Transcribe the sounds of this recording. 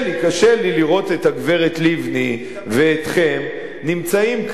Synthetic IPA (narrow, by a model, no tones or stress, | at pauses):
likaʃeliliʁo̞t̪etaɡve̞ʁet̪livni | veːt̪χe̞m | nimt͡saimk